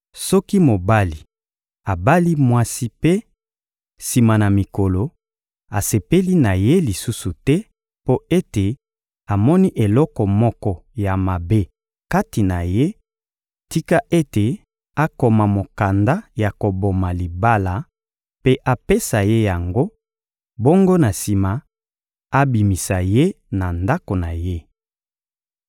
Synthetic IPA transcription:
sɔ˦ki˦mo˨ba˦li˨ | a˨ba˦li˦mwa˦si˦pe˦ | si˨ma˨na˨mi˨ko˨lo˨ | a˨se˨pe˦li˦na˨je˦li˨su˦su˨tɛ˦ | po˦e˦te˨ | a˨mɔ˦ni˦ʔe˨lɔ˦kɔ˨mɔ˦kɔ˦ja˨ma˨be˦ | ka˦ti˨na˨je˦ | ti˦ka˦ʔe˦te˨ | a˦ko˨ma˨mo˨ka˨nda˦ja˨ko˨bo˨ma˨li˨ba˦la˨ | pe˦ʔa˦pe˦sa˨je˦ja˨ŋɡo˦ | bo˦ŋɡo˦na˨si˨ma˨ | a˦bi˨mi˨sa˨je˦ | na˨nda˦ko˨na˨je˦

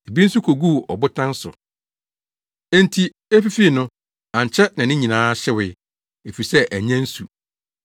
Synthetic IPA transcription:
e˨bi˦n̩˦su˦kʰo˨ɡu˦˨ɔ̰˨bʊ˦tʰã˦n˦sʊ̰˨ | ɛ̃˦n˦tʰi˨ | e˦fi˦fi˦˨nʊ̃˦ | ã˨ɲ˨t͡ɕʰɛ˦nã˨nɪ̃˦ɲĩ˨nãː˦ɕɪ˦wɪ˨ | e˨fi˨sɛ˦ʔæ˨ɲɛ̃˦n̩˦su˨

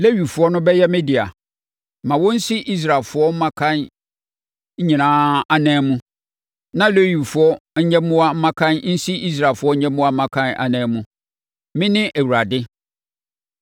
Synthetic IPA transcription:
le˦ɥi˨fʊ˨˦ɔ˦nʊ̃˦bɛ˦jɛ˦mɪ̃˦di˨a˨ | mã˨wɔ˦n̩˦si˦ʔi˦s̬ɾa˨lfʊ˦ɔ˦m̩˦mã˦kʰã˦n | ɲ̩˦ɲĩ˨nãː˦a˨nɛ̃ː˦mũ˦ | nã˦le˦ɥi˨fʊ˦ɔ˦ɲɛ̃˦mʊ̃˦a˦m̩˦mã˦kʰã˦nn̩˦si˦i˦s̬ɾa˨fʊ˦ɔ˦ɲ̩˦ɲɛ̃˦mʊ̃˦a˦m̩˦mã˦kʰã˦nʔa̰˨nɛ̃ː˨˦mũ˦ | mɪ̃˦nɪ̃˦ʔæ˨wu˨ɾa˨dɪ˦

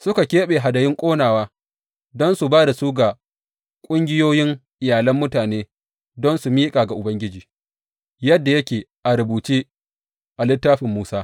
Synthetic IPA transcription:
sʊ˦ka˨kʲeː˦ɓeː˨ɦa˨dɐ˨jɪ˦ŋkʷʼoː˦naː˨waː˦ | dɔ˦nsu˨baː˦da˨suː˦ɡa˨ | kʷʼʊ˦ŋɡʲɪ˦joː˦jɪ˦ŋʔɪ˨jaː˨lɐ˦mːʊ˦taː˨neː˦ | dɔ˦nsu˨miː˦kʼaː˨ɡa˨ʔʊ˨bɐ˦ŋɡʲɪ˦d͡ʒiː˨ | jɐ˦dːa˨jɐ˦kʲeː˨ʔa˨ɾʊ˨buː˨t͡ʃeː˦ | ʔa˨lɪ˦tːaː˦ɸɪ˨mːuː˦saː˦

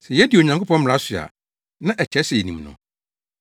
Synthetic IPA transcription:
sɛ˨jɛ˦di˨o˨ɲã˨ŋkʰo˦pɔ̃˦m̩˦m̃˨ɾa˨˦sɥa̰˨ | nã˦ʔɛ˨t͡ɕʰɛ˨˦sɛ˨jɛ˨nĩ˨mnʊ̰̃˨

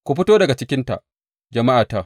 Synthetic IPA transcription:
kʷu˨˦ɸɪ˦toː˦dɐ˨ɡa˨t͡ʃɪ˦kʲɪ˦nta̰˨ʔ | d͡ʒɐ˨ma˦ʔaː˨ta˦

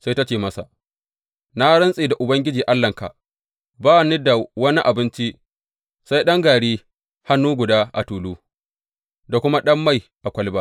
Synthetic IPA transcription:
sa˦jta˦t͡ʃeː˨mɐ˦sa̰˨ʔ | na˦ɽɐ˦nsʼeː˨da˨ʔʊ˨bɐ˦ŋɡʲɪ˦d͡ʒiː˨ʔa˦lːɐ˨ŋka̰˨ | baː˦˨ni˦da˨wɐ˦ni˦ʔa˨bɪ˦nt͡ʃi˦ʔ | sa˦jɗɐ˦ŋɡaː˨ɽiː˦ | ha˦nːuː˦ɡʷʊ˨daː˦ʔa˨tuː˨luː˦ | da˨kʷʊ˦ma˦ɗɐ˦mːa˦˨jʔa˨kʷɐ˦lba˦

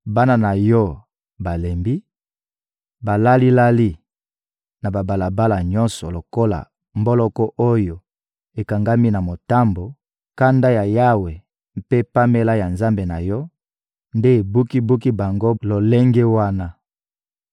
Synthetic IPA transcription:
ba˦na˦na˨jɔ˦ | ba˨le˨mbi˦ | ba˨la˦li˦la˦li˦ | na˨ba˨ba˨la˨ba˦la˨ɲɔ˦nsɔ˨lo˨ko˦la̰˨ | mbo˦lɔ˦kɔ˦ʔo˦jo˨ | e˨ka˨ŋɡa˦mi˦na˨mo˨ta˦mbo˨ | ka˦nda˦ja˨ja˦we˨ | pe˦pa˦me˦la˦ja˨nza˦mbe˨na˨jɔ˦ | nde˦e˨bu˦ki˦bu˦ki˦ba˨ŋɡo˦lo˨le˦ŋɡe˦wa˦na˦

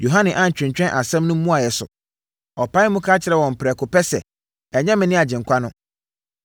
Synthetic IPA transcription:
jo˨ɦã˦nɪ̃˨ʔã˦ɲ̩˨t͡ɕᶣɪ̃˨ɲ˨t͡ɕᶣɛ̃˦nʔa˨sɛ̃˦mnʊ̃˦mũ˦a˨jɛ˨sʊ̰˨ | ɔ˨pʰã˦ɪ˦mʊ̃˦kʰaː˦t͡ɕʰɪ˨ɾɛ˨wɔ̃˨m̩˨pʰɪ˨ɾɛ˨kʰʊ˨pɛ˦sɛ˨ | ɛ˨ɲɛ̃˦mɪ̃˨nɪ̃˦a˨d͡ʑɪ̃˨ŋ̩˨kʷʰa˦nʊ̃˦

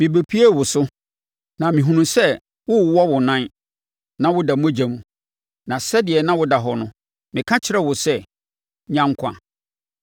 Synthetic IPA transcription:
mɪ̃˨be˨pʰi˦e˦˨wʊ˨sʊ˦ | nã˨mĩ˨ɦũ˨nũ˨sɛ˦ | wʊ˦˨wɔ˦wʊ˨nã˦n | nã˦wʊ˦da˨mũ˦æ˦˨d͡ʑa˨mũ˨ | nã˨sɛ˦dɪ˨ɛ˨nã˦wʊ˦da˨ɦɔ˨nʊ̃˦ | mɪ̃˨kʰã˦t͡ɕʰɪ˨ɾɛ˦wʊ˨sɛ˦˨ | ɲã˦ŋ˦kʷʰã̰˨

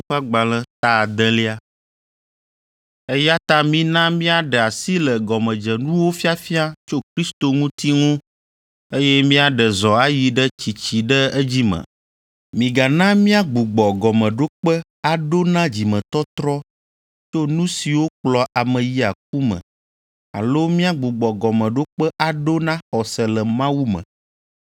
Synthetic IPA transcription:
ɸa˦ɡ͡ba˨lɛ̃˦t̪a˦˨d̪ɛ̃˦li˦a˦ | ɛ˦ja˦t̪ã˦mĩ˦nã˦mĩ˦a˨ɖɛ˨a˨si˦lɛ˨ɡɔ˨mɛ̃˨d͡ʒɛ˨nũ˦wo˦fi˦a˦fi˦a˦t͡ʃo˦kɾi˦st̪o˨ŋũ˦t̪i˦ŋõ˦ | e˦jɛ˦mĩ˦a˨ɖə˨zɔ˨a˦ji˨ɖə˦t͡ɕi˨t͡ɕi˨ɖə˦ɛ˦d͡ʑi˦mə̰̃˨ | mĩ˨ɡa˨nã˦mĩ˦a˦ɡ͡bu˨ɡ͡bɔ˨ɡɔ˨mɛ̃˨ɖo˦k͡pə˦ | a˨ɖo˦nã˦d͡ʑi˨mɛ̃˨t̪ɔ˦t̪ɾɔ˦ | t͡ʃo˦nũ˦si˨wo˦k͡plɔ˨ʔa˨mə̃˨ji˦a˨k̚u˦mə̰̃˨ | a̰˨lo˦mĩ˦a˦ɡ͡bu˨ɡ͡bɔ˨ɡɔ˨mɛ̃˨ɖo˦k͡pə˦ʔa˨ɖo˦nã˦xɔ˨sɛ˨lɛ˨mã˦wu˦mə̰̃˨

